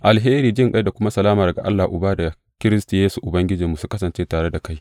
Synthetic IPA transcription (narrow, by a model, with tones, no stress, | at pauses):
ʔa˨lɦeː˦ɾiː˨d͡ʒɪ˦ŋkʼa˦jda˨kʷʊ˦ma˦sɐ˨laː˦mɐ˨rɡa˨ʔa̰˦lːa˨ʔʊ˨baː˦da˨ | kʲɪ˦ɾɪ˦stu˨jeː˦su˨ʔʊ˨bɐ˦ŋɡʲɪ˦d͡ʒi˨mːu˨su˦kɐ˦sɐ˨nt͡ʃeː˦taː˨ɽe˦da˨ka˦j